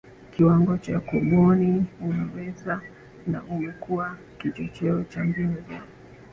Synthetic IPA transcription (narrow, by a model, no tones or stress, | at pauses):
kiwaŋɡɔt͡ʃakuɓɔniunawɛza | na̰umɛkua | kit͡ʃɔt͡ʃɛɔt͡ʃaŋɡinɛza